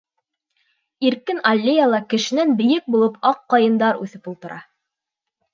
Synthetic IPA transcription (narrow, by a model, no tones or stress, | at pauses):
iɾkɘnɐlʲːejalˠɑkɘ̆ʃɘ̆nænbɘ̆jɘk̚bulˠɤpɑqːɑjɤ̆nd̪ɑɾʉθɘpulˠt̪ɤ̆ɾʔɑ